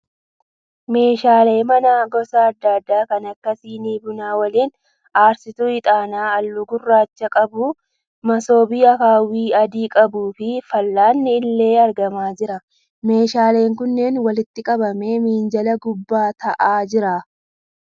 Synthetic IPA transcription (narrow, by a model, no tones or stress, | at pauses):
me̞ːʃaːle̞ːmɐnaːɡɔsɐːd̪ːaːd̪ːaːkɐnɐkːɐsiːniːbʊnaːwɐliːn | aːɾsɪt̪uɪt̪ʼaːnaːɐlːʊɡʊrːaːt͡ʃːɐkʼɐbuː | mɐso̞ːbiːɐkaːwiːɐd̪iːkʼɐbuːfɪfɐlːaːnːɪːlːe̞ːɐɾɡɐmaːd͡ʒɪɾɐ | me̞ːʃaːle̞ːŋkʊnːe̞ːnwɐlɪt̪ːɪkʼɐbɐme̞ːmiːnd͡ʒɐlɐɡʊbːaːt̪ɐʔaːd͡ʒɪɾaː